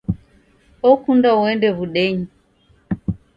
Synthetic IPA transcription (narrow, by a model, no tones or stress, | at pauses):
ɔkundauɛndɛβuɗɛɲi